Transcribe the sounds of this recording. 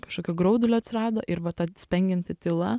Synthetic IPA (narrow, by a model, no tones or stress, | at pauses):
kɐʃkoːkʲoɡɾɐʊd̪ʊlʲoːɐt̪ʲsʲɪɾɑːd̪oːʔɪɾʋɐt̪ɐsʲpʲɛŋʲɡʲɪnʲt̪ʲɪt̪ʲɪlˠɐ